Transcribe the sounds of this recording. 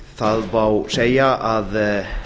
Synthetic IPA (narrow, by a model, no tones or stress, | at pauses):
θaðvawsejaʔað